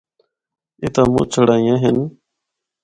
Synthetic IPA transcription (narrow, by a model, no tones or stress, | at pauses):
ɪt̪ãːmũːt͡ʃʰəɽaːĩjãːɦɪn